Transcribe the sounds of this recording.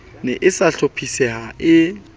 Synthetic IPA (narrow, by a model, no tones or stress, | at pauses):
nɛʔɪsaɬopʰisɛhaɪ